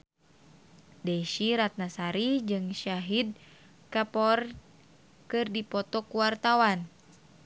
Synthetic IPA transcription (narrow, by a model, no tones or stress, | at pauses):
dɛʃiɾat̪̚nasaɾid͡ʒɨŋʃaɦid̚ | kapɔr | kɨrdipɔt̪ɔkuwart̪awan